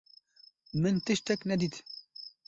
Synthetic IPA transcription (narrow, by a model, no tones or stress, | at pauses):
mɨnt̪ɨʃt̪ɛknɛd̪iːt̪